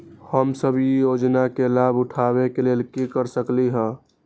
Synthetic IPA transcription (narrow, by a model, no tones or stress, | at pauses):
həmsəbjijod͡ʒnakelabʊʈʰabekelelkikəɾsəkliɦə̃